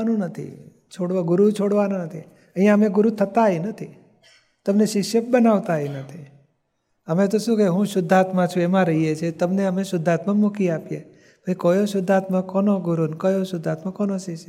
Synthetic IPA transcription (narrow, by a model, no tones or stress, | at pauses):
anũnət̪ʰḭ | t͡ʃʰoɽʋaɡʊɾut͡ʃʰoɽʋanũnət̪ʰḭ | əɦijãəmeɡʊɾut̪ʰət̪ainət̪ʰi | t̪əmneʃɪkʃjəp̚bənaʋt̪aenət̪ʰi | əmẽt̪oʃũkəɦũʃʊd̪ʱːat̪mãt͡ʃʰũemãɾəɦijet͡ʃʰet̪əmneəmeʃʊd̪ʱːat̪mãmukiapje | bʱaikojoʃʊd̪ʱːat̪mãkɔnoɡʊɾunkəjoʃʊd̪ʱːat̪mãkɔnoʃɪkʃjə